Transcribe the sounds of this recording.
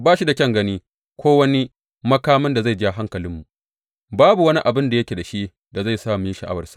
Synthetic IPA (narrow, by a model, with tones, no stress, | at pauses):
baː˦ʃi˦da˨kʲɐ˦ŋɡɐ˦niː˦ | kʷʰoː˦wɐ˦ni˦ | mɐ˦kaː˦mɐ˦nda˨za˦˨d͡ʒɪ˦a˨ɦa˦ŋkɐ˨lɪ˦mːu˨ʔ | baː˦bu˨wɐ˦ni˦ʔa˨bɪ˦nda˨jɐ˦kʲe˨da˨ʃi˦ | da˨za˦˨jsaː˦˨miː˦ʃɐ˨ʔa̰˦wɐ˨rsḁ˨ʔ